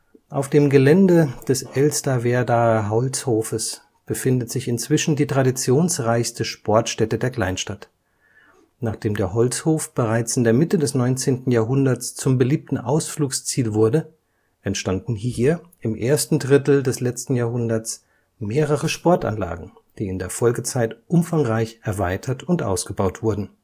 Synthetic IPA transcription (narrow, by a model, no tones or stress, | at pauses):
ʔaʊfd̥eːmɡəlɛndəd̥ɛsʔɛlstavɛːɐdaːɦɔlt͡shoːfəs | b̥əfɪndətz̥ɪçɪnt͡sv̥ɪʃn̩diːtʁ̥adit͡sjoːnsʁaɪçstəʃpʰɔɐtʃtɛtədeːɐkl̥aɪnʃtat | naːχd̥eːmdeːɐɦɔlt͡shoːfb̥əʁaɪt͡sɪndeːɐmɪtədɛsnɔʏnt͡seːntn̩jaːɐɦʊndɐt͡st͡sʊmbəliːp̚tn̩ʔa̰ʊsfluːkst͡siːlvʊɐdə | ʔɛntʃtandn̩hiːɐ | ʔɪmʔeːɐstn̩dʁɪtl̩dɛslɛt͡stn̩jaːɐɦʊndɐt͡s | meːʁəʁəʃpɔɐta̰nla̰ːɡŋ̩ | d̥iːɪndeːɐfɔlɡət͡saɪtʔʊmfaŋʁaɪçʔɛɐvaɪtʰɐtʰʊntʔa̰ʊsɡ̥əbaʊtv̥ʊɐdn̩